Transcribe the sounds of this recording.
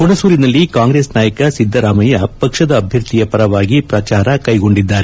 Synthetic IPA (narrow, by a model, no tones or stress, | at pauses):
koɳɐsuːɾinɐlːikaːŋɡɾesnaːjɐkɐsid̪ʱːɐɾaːmɐjɐpɐkʂɐd̪ɐːbʱjɐɾt̪ijɐpɐɾɐʋaːɡipɾɐt͡ʃaːɾɐkɐjɡo̞ɳɖid̪ːaːɾe